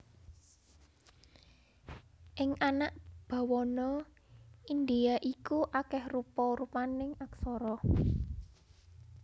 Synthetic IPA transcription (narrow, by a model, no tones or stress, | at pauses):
ʔɪŋanaʔb̥a̤wɔnɔ | ind̪eaʔikuʔakɛhrupɔɾupanɪŋaksɔɾɔ